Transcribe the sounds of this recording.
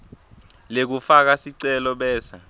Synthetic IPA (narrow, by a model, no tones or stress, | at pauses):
lek̬ufak̬asiǀɛlɔɓɛːsa